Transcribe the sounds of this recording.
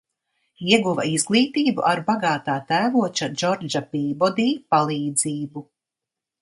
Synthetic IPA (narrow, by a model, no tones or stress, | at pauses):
iɛɡuva̰izɡlˠiːt̪iːbuʔaɾbaɡaːt̪aːt̪æːvuɔt͡ʃad͡ʒɔɾd͡ʒapiːbɔd̪iːpalˠiːd̪ziːbu